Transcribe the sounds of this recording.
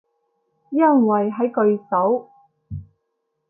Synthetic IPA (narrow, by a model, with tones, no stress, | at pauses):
jɐ˥ŋwɐ˨˩jɦɐ˨˥jkɵ˧ɥsɐ˨˥w